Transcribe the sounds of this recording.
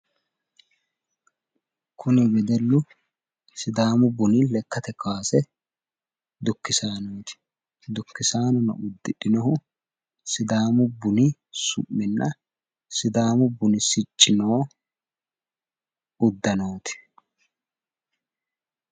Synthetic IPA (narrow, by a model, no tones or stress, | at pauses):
kʰʊnɪbɛd̪ɛlːʊ | sɪd̪aːmʊbʊnɪlɛkːɐt̪ɛkaːsɛ | d̪ʊkːɪsaːnoːt̪ɪ̥ | d̪ʊkːɪsaːnɔnɐ̰ʊd̪ːɪᶑɪnɔhʊ | sɪd̪aːmʊbʊnɪsʊ̰ʔːɪnːɐ | sɪd̪aːmʊbʊnɪsɪt͡ʃʼːɪnoː | ʊd̪ːɐnoːt̪ɪ̥